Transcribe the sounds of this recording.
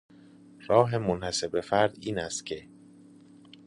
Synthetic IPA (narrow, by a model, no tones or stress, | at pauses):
ɾɒːɦe̞monhæsebefæɾd̪iːnæst̪cʰe̞